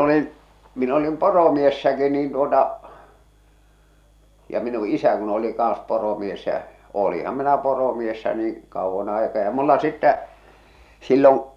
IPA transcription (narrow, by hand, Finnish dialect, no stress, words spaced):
olin min olim poromiesːæki niːn tuotɑ jɑ minu isæ kun oli kɑˑn̞s poromies jæ oːlihɑm minæ poromiesːæ niːn̞ kɑuʋːɑn ɑikɑː jɑ mulːɑ sitːæ silːoŋ